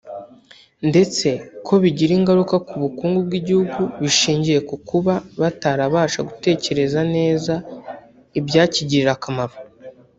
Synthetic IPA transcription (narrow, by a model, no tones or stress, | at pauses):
nde̞t͡se̞kʰo̞βiɟiɾiːŋɡaɾukakuβukuːŋɡub̚ɡiːɟihuɡuβiʃiːɲɟije̞kukuβaβataɾaβaːʃaɡute̞ːce̞ɾe̞zane̞ːza | ibjaːciɟiɾiɾakamaɾo